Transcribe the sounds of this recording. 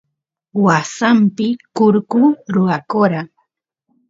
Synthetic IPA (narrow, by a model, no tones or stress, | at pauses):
wasampɪkʊɾkʊɾʊɾakoɾa